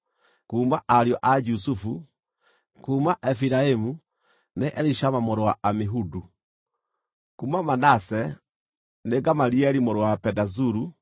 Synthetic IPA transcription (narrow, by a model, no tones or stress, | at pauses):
kuːmaʔaɾjɔʔad͡ʒus̬ufu | kuːmaʔɛfiɾaemu | neʔɛɾiʃamamoɾowaʔameɦudu | kuːmamanasɛ | neɡamaɾiɛɾimoɾowapɛdazuɾu